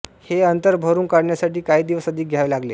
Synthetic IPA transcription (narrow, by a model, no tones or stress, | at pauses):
heənt̪əɾbʱəɾuːnkaɽɳjasaʈiːkaɦiːd̪iʋəsəd̪ʱiːk̚ɡʱjaʋelaɡle